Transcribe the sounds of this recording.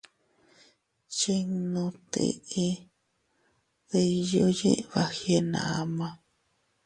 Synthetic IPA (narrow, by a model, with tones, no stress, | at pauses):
t͡ʃe˦ŋnõ˧t̪ḛ˧ʔe˦ | ðe˧i˧jo˦jḛ̃˦βa˧he˦nã̰˨a˧mã˧